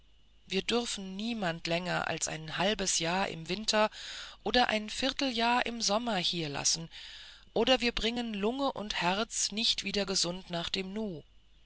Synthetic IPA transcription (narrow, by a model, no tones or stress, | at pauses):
viːɐdʏʁfn̩niːmantlɛŋɐʔa̰lsʔa̰ɪnhalbəsjaːɐʔɪ̰mvɪntʰɐʔoːdɐʔa̰ɪnfɪʁtl̩jaːɐʔɪmzɔmɐhiːɐla̰sn̩ʔoːdɐviːɐbʁɪŋənlʊŋəʔʊ̰nthɛʁɐt͡snɪçtv̥iːdɐɡəzʊntnaːχd̥eːmnuː